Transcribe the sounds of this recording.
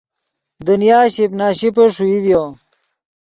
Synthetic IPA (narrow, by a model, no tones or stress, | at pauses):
d̪unjaːɕipnaːɕipɐʂuivjo